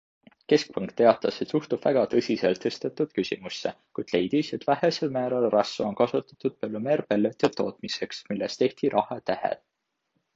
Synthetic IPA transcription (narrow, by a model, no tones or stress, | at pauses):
ke̞sk̚pɑŋkt̪ːe̞ɑt̪ːˑɑset̪suht̪ub̥væ̰ɡ̥ɑt̪ɤsʲise̞lt̪ːest̪et̪ːud̪̥kysʲimusːe̞̰ | kujd̪̥le̞jd̪̥ise̞t̪ːˑvæhe̞se̞lmæːɾɑlrɑsːuonkɑsut̪ˑɑ̥t̪ːˑud̪̥̚pølːumeːɾpelːet̪ːet̪ːo̞̰ːt̪mise̞ksmilːest̪e̞ht̪iɾʔɑhɑt̪æhḛd̪̥